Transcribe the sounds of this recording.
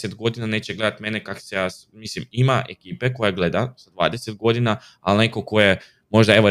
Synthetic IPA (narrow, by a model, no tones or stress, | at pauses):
set̪ɡo̞d̪inane̞ːt͡ɕeɡle̞d̪at̪me̞nekako̥sejaː | mislimimaʔe̞̰kiːpe̞ko̞jaɡle̞d̪azad̪ʋa̰ːd̪eset̪̚ɡo̞d̪ina | alne̞ko̞ko̞je | mo̞ʒd̪ae̞ʋo